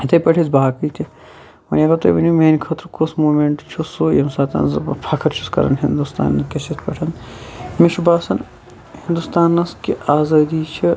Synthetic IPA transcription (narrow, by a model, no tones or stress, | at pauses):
t̪ɐpɐʈʰizbaːkit̪ʰʲi | mɐ̰nʲɐɡɐt̪o̰ʋɐnumeːnʲkʰɐt̪ɾkosmoːmeɳʈt͡ʃʰusojɐmsaːt̪ɐ̰ːnzɐbɐpʰaːkʰɐɾt͡ʃʰuskɐ̰ɾɐ̰nɦind̪ust̪a̰ːnːɐkɐsit̪ʰpɐʈʰɐnmiʃubaːsɐn | hind̪ust̪aːnːɐskiaːzaːd̪iːt͡ʃʰi